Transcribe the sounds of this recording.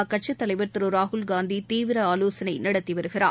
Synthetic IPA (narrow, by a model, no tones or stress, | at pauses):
kɐʈ̚t͡ʃɐt̪ːɐlɐɪʋɐɾt̪ɯɾɯɾaːɦʊlɡaːnd̪it̪iːʋɪɾɐaːloːsɐnɐɪnɐɽɐt̪ːiʋɐɾɯɣɪra̰ː